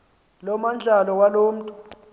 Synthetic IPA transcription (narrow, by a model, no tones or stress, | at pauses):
lɔmand͡ɮʱalɔwaloːm̩tʼu